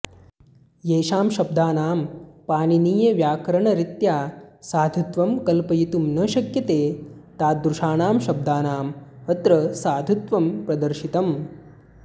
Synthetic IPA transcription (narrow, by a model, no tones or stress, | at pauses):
jeːʃaːmʃɐb̚d̪ʱaːnaːmpaːniniːjɐʋjaːkɾɐɳɐɾit̪jaːsaːd̪ʱut̪ʋɐmkɐlpɐjit̪umnɐʃɐkjɐt̪eː | t̪aːd̪ɾuʃaːnaːmʃɐb̚d̪aːnaːmɐt̪ɾɐsaːd̪ʱut̪ʋɐmpɾɐd̪ɐɾʃit̪ɐm